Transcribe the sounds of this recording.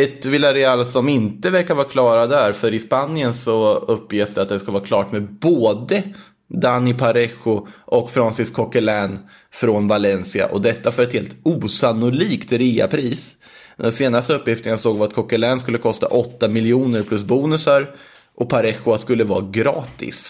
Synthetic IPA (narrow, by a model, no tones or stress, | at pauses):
ɛt̪vɪlaɾɛɑːlsɔmɪnt̪əvæɾkaɾvɑːɾkʰlɑːɾad̪æɾfœɾɪspanɪənsɔɵpːjeːsd̪ɛat̪̚d̪ɛskavɑːɾkʰlɑːʈmɛboːd̪ə | d̪anːɪpʰaɾɛxʊʔɔkfɾɔnsɪskʰɔkalɛn | fɾɔnvalɛnsɪa̰ʔɔd̪ɛt̪ːafœɾɛt̪heːlt̪uːsanʊliːkt̪ɾiːa̰pʰɾiːs | d̪ɛnseːnast̪əɵpːjɪft̪ənasoːɡvaɾat̪̚kʰɔkalɛːnskɵlːəkʰɔst̪a̰ʔɔt̪ːamɪljuːnəɾpʰlɵs̬buːnɵsaɾ | ʔɔpʰaɾɛxʊaskɵlːəvɑ̰ːɡɾɑːt̪ɪ̰s